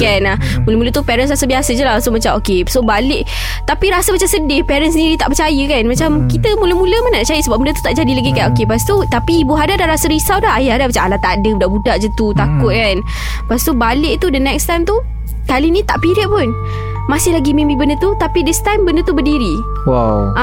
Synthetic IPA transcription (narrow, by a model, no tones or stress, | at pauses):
kanahmuləmulət̪upɛɾənsrasəbiasəd͡ʒəlahsomat͡ʃamokesobalɪʔ | t̪apiɾasəmat͡ʃamsədɪpɛɾənsəniɾit̪aʔpət͡ʃajəkanmat͡ʃamkit̪əmuləmũləmənaʔat͡ʃajəsəbap̚mundət̪u̥t̪aʔd͡ʒadilaɡikanokepast̪ut̪apiːbuɦadadaɾasəɾisawdaɦajaadahmat͡ʃaalat̪aʔdəbudaʔbudaʔd͡ʒət̪ut̪akʊt̪̚kan | past̪ubalɪʔt̪udənɛkst̪ajmt̪u | kalinĩt̪aʔpiɾɪʔ̚pʊn | masɪhlaɡimĩmbibəndət̪ut̪apidəst̪ajmbəndət̪ubədiɾi | wawʔa